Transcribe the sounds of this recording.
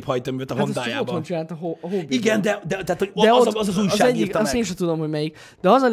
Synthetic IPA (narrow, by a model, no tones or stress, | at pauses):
phɒjt̪omyvɛt̪ɒɦaonsd̪aːaotb̪ho̞nt͡ʃinaːlt̪ɒɦoːɦobiɡɛnd̪ɛd̪ɛt̪ɛaːt̪hod̪ɛot̪ɒzɒzuːjʃɒazɛɟːik̪ɒst̪eːnʃɛt̪ud̪o̞mhoɟmɛjik | d̪̥ɛɒzɒl